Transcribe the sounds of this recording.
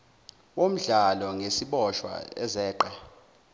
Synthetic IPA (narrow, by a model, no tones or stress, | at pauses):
wom̩ɮalɔŋesiɓɔʃwa̰ɛ̰zɛːǃa